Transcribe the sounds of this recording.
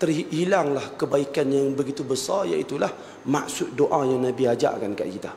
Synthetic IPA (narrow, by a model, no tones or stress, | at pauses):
t̪ərihilaŋlahkəbaikanjaŋbəɡit̪ubəsarja̰ʔit̪ulah | maksʊt̪̚doʔajaŋnãbiad͡ʒa̰ʔkanka̰ʔkit̪a